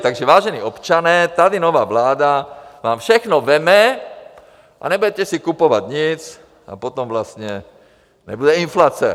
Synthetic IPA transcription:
t̪aɡʒɛʋaːʒɛniːɔpt͡ʃanɛːt̪ad̪inɔʋaːʋlaːd̪aʋaːmfʃɛxnɔʋɛmɛ | ʔa̰ɲɛbuɟɛcɛsikupɔʋaɟɲit͡s | a̰pɔt̪ɔmʋlast̪ɲɛ | ɲɛ̰budɛinflaːt͡sɛ

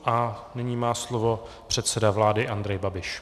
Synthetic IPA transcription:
ʔanɪɲiːmaːslovo̞ | pr̝̥ɛt̪sɛdavlaːdɪʔand̪ɾɛjbabɪʃ

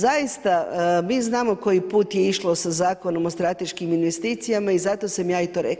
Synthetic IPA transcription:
zajist̪amiːznaːmo̞ko̞jipuːt̪jeiʃlˠo̞sazaːko̞no̞most̪ɾat̪e̞ʃkiminʋe̞st̪iːt̪sijamaizat̪o̞samjaːit̪oːɾek

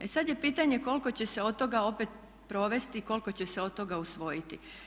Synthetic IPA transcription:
esad̪je̞piːt̪aɲe̞ko̞lko̞t͡ɕe̞seo̞d̪t̪o̞ɡao̞pet̪̚ | pɾo̞ʋe̞st̪iko̞lko̞t͡ɕe̞se̞o̞d̪t̪o̞ɡausʋo̞jit̪i

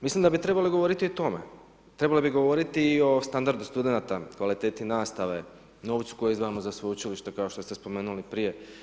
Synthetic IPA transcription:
mislimd̪abit̪ɾe̞baliɡo̞ʋo̞ɾit̪iot̪o̞mḛ | t̪ɾe̞balibiɡo̞ʋo̞ɾit̪iːo̞st̪and̪aɾd̪ust̪ud̪e̞nat̪akʋalit̪e̞ːt̪inaːst̪aʋe̞ | no̞ʋt̪su̥ko̞jeizd̪ʋamozasʋout͡ʃiliʃt̪ekaoʃt̪o̞st̪espo̞me̞ːnulipɾije̞

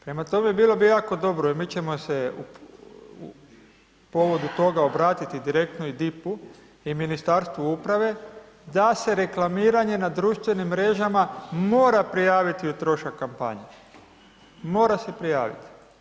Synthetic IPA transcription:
pɾe̞mat̪o̞meebiːlo̞bijaːko̞d̪o̞bɾoimiːt͡ʃe̞mo̞seu | u | po̞ʋo̞d̪ut̪o̞ɡaobɾaːt̪it̪id̪iɾe̞k̚t̪noid̪ipu | iminist̪aɾst̪ʋuupɾaʋe̞ | d̪ase̞ɾe̞klamiːɾaɲe̞nad̪ɾuːʃt̪ʋe̞nimːɾe̞ʒamamoːɾapɾijaːʋit̪iut̪ɾo̞ʃakːampa̰ɲe | mo̞ːɾase̞pɾija̰ːʋḭt̪i̥

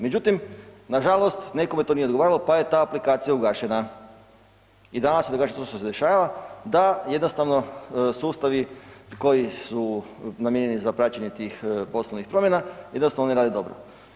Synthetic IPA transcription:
med͡ʑut̪imnaʒalˠo̞st̪nekomet̪onied̪ɡoaːɾilˠopaje̞t̪aːplikaːt̪sijauɡaːʃena | id̪ananasjed̪oɡaːʃet̪oʃt̪osed̪eʃaːʋaʋad̪ajed̪nost̪aʋno̞suːst̪aʋiko̞jisunamjeɲenizapɾat͡ɕeɲe̞t̪iːxpo̞sloʋnixpɾo̞mje̞najed̪nost̪aʋnoneɾaːd̪id̪o̞bɾo̰

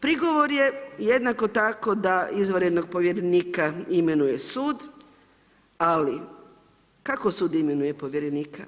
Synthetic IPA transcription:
pɾiɡo̞ʋo̞ɾjejed̪nako̞t̪ako̞d̪aizʋəɾed̪no̞ɡ̚po̞ʋjeɾeniːkaimenujesuːd̪ | ali | kakosuːd̪imenuje̞poʋjeɾeniːka

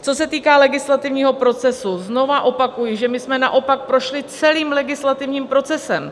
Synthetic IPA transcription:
t͡so̞sɛt̪iːkaːlɛɡɪslat̪ɪvɲiːɦo̞pɾo̞t͡sɛsuzno̞vaʔo̞pakujɪʒɛmɪsmɛna̰ʔo̞pak̚pɾo̞ʃlɪt͡sɛliːmlɛɡɪslat̪ɪvɲiːmpɾo̞t͡sɛsɛm

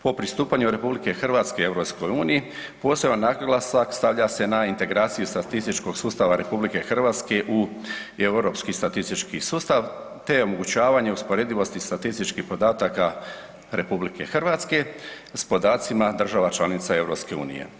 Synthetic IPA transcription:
po̞pɾist̪uːpaɲuɾe̞publike̞xr̩ʋat̪skee̞vɾo̞psko̞juːniji | po̞ːsjebanːaɡɡlasakst̪aʋʎase̞naint̪e̞ɡɾaːt̪sijust̪at̪ist̪it͡ʃko̞ɡsuːst̪aʋaɾe̞publike̞xrʋaːt̪ske̞ʔue̞wɾo̞ːpskist̪at̪ist̪it͡ʃkisuːst̪aʋ | t̪e̞o̞mo̞ɡut͡ɕaːʋaɲe̞uspo̞ɾe̞d̪iʋo̞st̪ist̪at̪ist̪it͡ʃkihpo̞d̪aːt̪aka | ɾe̞publikʰe̞̰xrʋat̪ske̞ | spo̞d̪aːt̪simad̪r̩ʒaʋat͡ʃlanit̪sae̞vɾo̞pske̞ṵːnḭjḛ

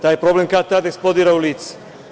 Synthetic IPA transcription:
t̪ajɛpɾɔblɛmkat̪ad̪ɛksplɔd̪iɾaulit͡s

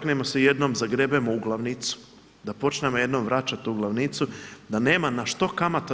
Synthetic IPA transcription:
knemo̞seje̞d̪no̞ːmzaɡɾe̞bemouɡlˠaʋnit̪su̥ | d̪apo̞t͡ʃnemoje̞d̪noːmʋɾat͡ʃat̪uɡlˠaʋnit̪sud̪ane̞ːmanaʃt̪o̞kamat̪

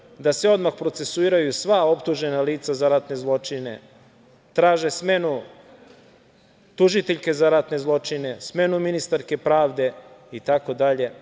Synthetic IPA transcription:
d̪aseo̞d̪maxpɾo̞t̪se̞suiːɾajusʋao̞pt̪uʒe̞naliːt̪sazaɾat̪ne̞zlˠo̞t͡ʂine̞̰ | t̪ɾaːʒesme̞nu | t̪uʒit̪eʎke̞zaɾat̪ne̞zlˠo̞t͡ʃine̞sme̞numinist̪aɾke̞pɾaːʋd̪e̞it̪ako̞d̪aʎe̞

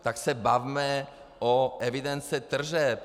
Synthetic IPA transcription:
t̪aksɛbavmɛ | oʔɛvid̪ɛnt͡sɛt̪r̩ʒɛp

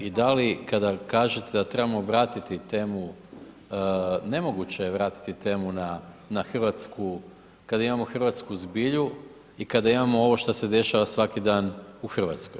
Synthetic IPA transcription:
id̪alikad̪akaːʒet̪ed̪at̪ɾe̞bamo̞ʋɾaːt̪it̪it̪e̞ːmu | ne̞mo̞ɡut͡ɕejeʋɾaːt̪i̥t̪it̪e̞ːmunanaxr̩ʋat̪skʰu | kad̪aimamo̞xr̩ʋat̪skuzbiʎu | ikad̪aimamo̞o̞ʋo̞ʃt̪ase̞d̪e̞ʃaʋasʋakid̪aːnuxr̩ʋat̪skoj

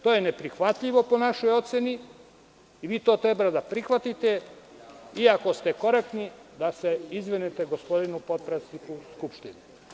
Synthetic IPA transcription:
t̪ojenepɾixʋat̪ʎiʋo̞po̞naʃo̞jo̞t̪seniː | ʋiːt̪oːt̪ɾebɾad̪apɾixʋat̪it̪e̞ | iako̞st̪e̞ko̞ɾek̚t̪nid̪aseizʋenet̪e̞ɡo̞spo̞d̪inupo̞t̪̚pɾet̪snikuskupʃt̪inu

